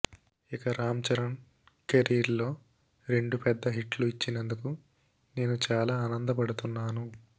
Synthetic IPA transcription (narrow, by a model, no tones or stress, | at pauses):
ikɐɾaːmt͡ʃɐɾɐn | keɾiːɾlo̞ː | ɾe̞ɳɖupɛd̪ːɐɦiʈluit͡ʃːinɐnd̪uku | ne̞ːnut͡ʃaːlaːnɐnd̪ɐpɐɽut̪unːaːnu